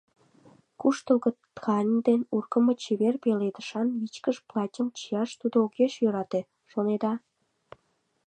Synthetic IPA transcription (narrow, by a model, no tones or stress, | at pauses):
kuʃt̪əlɣət̪kʰɑnʲd̪enurkə̆mot͡ɕeβerpeled̪əʃɑnmit͡ɕkəʃplˠɑtʲəmt͡ɕijɑʃt̪ud̪ookeʃjøɾɑt̪e | ʃoned̪ɑ